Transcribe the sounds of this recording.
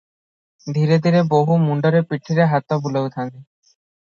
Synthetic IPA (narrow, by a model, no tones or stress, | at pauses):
d̪ʱiɾed̪ʱiɾeboɦumuɳɖoɾepiʈʰːiɾeɦat̪ːobulewt̪ʰani